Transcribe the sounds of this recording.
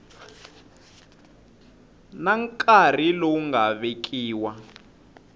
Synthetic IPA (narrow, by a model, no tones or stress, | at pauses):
naŋkʼar̤ilɔŋɡaβek̬ʰʼiːwa